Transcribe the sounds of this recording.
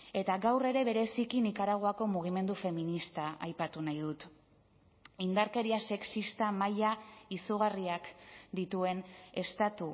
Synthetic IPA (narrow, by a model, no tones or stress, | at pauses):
e̞t̪aɣawre̞ɾe̞βe̞ɾe̞sikinikaɾaɣ̞o̞ako̞muɣ̞ime̞nd̪ufe̞minist̪aajpat̪unajðut̪ | ind̪aɾke̞ɾiase̞ksist̪amajaisuɣ̞ariakd̪it̪ue̞ne̞st̪at̪u